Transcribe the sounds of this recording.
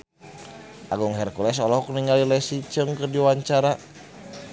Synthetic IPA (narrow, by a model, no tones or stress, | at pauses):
ʔaɡuŋɦɛrkulɛs̬ɔlɔhɔkniŋalilɛsit͡ʃəŋkərdiwaɲt͡ʃaɾa